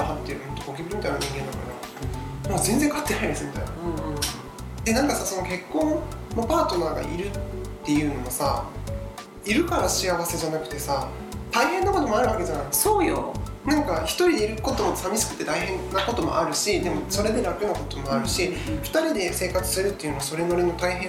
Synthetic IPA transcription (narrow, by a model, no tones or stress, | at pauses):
ɦat̪ːeɾɯ̟hõnt̪oɡo̞kʲibɯɾɯmʲit̪ainaɲĩŋɡẽnd̪aka̰ɾa̰ | mozẽ̞nd͡zeŋkʰat̪ːe̞naid̪e̞sɨmʲit̪ainaɯ̃ | d̪̥e̞nãŋkasaso̞no̞ke̞kːõ̞ɴmapaːt̪o̞naːɡa̰ʔiɾɯ̟t̪ːe̞jɯ̟ːno̞mosa̰ | iɾɯ̟kaɾaɕiaβase̞ʑanakɯ̟t̪e̞sa | t̪aihẽ̞nːako̞t̪omo̞aɾɯ̟βake̞d͡ʑanaso̞ːjo̞̰nãŋkaçi̥t̪o̞ɾʲid̪e̞iɾɯ̟ko̞t̪o̞mo̞samʲisɨ̥kɯ̟̥t̪ːe̞t̪aiɦẽ̞nːako̞t̪omo̞̰ʔaɾɯ̟ɕid̪e̞mo̞so̞ɾe̞d̪e̞ɾakɯnako̞t̪o̞mo̞aɾɯ̟ɕiɸɯ̟̥t̪aɾʲid̪e̞se̞ːkat͡sɨ̥sɨɾɯ̟t̪ːe̞iɯ̟no̞aso̞ɾe̞noɾʲino̞t̪aiɦẽ